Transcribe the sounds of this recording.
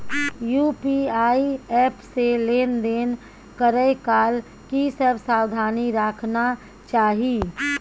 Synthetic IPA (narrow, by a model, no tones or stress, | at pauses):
juːpiaːiɛːpseleːnd̪eːn | kəɾəjkaːl | kisəbsaːwd̪ʱaːniɾaːkʰna | t͡ʃaːɦi